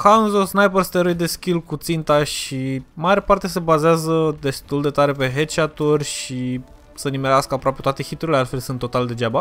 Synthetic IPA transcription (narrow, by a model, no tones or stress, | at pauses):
kanzosnajpərst̪eɾojd̪e̞skʲilkut̪sint̪aʃimaɾapart̪e̞se̞bazeazəd̪e̞st̪uld̪e̞t̪aɾe̞pe̞ɦet͡ʃat̪urʲʃi | sənimeɾeaskəapɾoapet̪wat̪e̞xit̪uɾilealt̪fe̞lsunt̪ːot̪ald̪e̞d͡ʒaba